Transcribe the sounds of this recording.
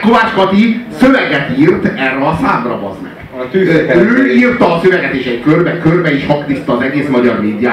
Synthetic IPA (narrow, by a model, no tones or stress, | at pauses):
kovaːt͡ʃkɒt̪isøvɛɡɛt̪irt̪ɛrːɛɒsaːb̪rɒbɒ̰zmɛ̰ɡ̥yøːirt̪ɒːsøvɛɡɛt̪eːʃɛɟkørbɛkørbɛeːʃhɒkt̪ist̪ːɒːzɛɡeːsmɒɟɒrmeːd̪jaː